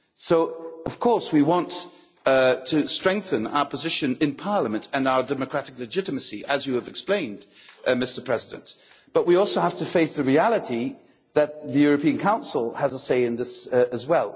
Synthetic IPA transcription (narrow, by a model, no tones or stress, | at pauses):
soʊʌv̥kʰɔɹswiwɑ̃nt | tʰɨstɹ̥ɛ̃ŋk̚θɨ̃na̰ʊə˞pʰəzɪʃɨ̃nɨ̃npʰɑɹləmɨ̃ntʰɨ̃naʊə˞dɛmɨkʰɹ̥æɾɨklɨd͡ʒɪɾɨmɨsiʔɨzjɨːvɨksplẽɪ̃ndmɪstə˞pʰɹ̥ɛzɨdɨ̰̃nt | b̥ʌʔ̚wiɔlˠsoʊhæftɨfeɪsðɨɹiælˠəɾi | ðɨt̪̚ðɨjʊɹɨpʰĩɨ̃nkʰãʊ̃nsl̩ˠəzəseɪɨ̃nðɪsɨzwɛlˠ